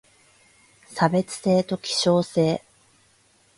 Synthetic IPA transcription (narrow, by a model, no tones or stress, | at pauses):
sabe̞t͡sɨ̥se̞ːt̪o̞kʲi̥ɕo̞ːse̞ː